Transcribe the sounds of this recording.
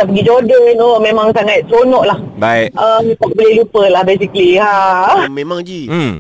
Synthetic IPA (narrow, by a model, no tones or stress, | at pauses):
aʔpəɡid͡ʒodəinomẽmãŋsaŋat̪̚t̪ɾonɔʔlahbaiʔəpaʔ̚bolelupəlahbesikliɦamemaŋd͡ʒi